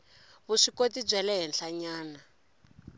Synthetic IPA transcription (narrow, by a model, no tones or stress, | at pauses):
βuʂikotib͡ʐʷɛlɛɦɛnɬaɲaːna